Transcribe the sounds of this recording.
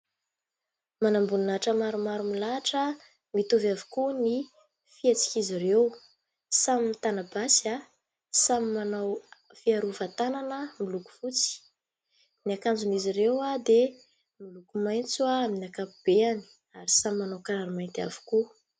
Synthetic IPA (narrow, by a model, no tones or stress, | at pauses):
manambuninaʈ͡ʂəmaɾumaɾumilaʈ͡ʂə | mit̪uvavu̥kuni | fiet͡si̥kizirew | saminit̪anabasa | samimanaw | fiaɾuvat̪ananəmiluku̥fut͡si̥ | niakand͡zuniziɾewad̪e | milukumajnt͡suaaminakapub̥eani̥ | aɾisamimːanawkaɾaɾimajnt̪a̰vu̥ku